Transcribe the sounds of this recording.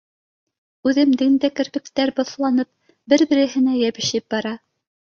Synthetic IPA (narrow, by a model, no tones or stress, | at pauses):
ʉðɘmd̪ɘnd̪ækɘ̆ɾbɘ̆kt̪æɾbŏθlˠɑnɤp̚ | bɘɾbɘ̆ɾɘ̆ɦɘ̆næjæβɘ̆ʃɘp̚bɑɾɑ